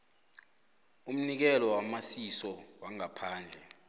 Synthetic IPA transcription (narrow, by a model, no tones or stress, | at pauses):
um̩nik̬ɛlɔwamasisɔwaŋapʰaːnd͡ɮʱɛ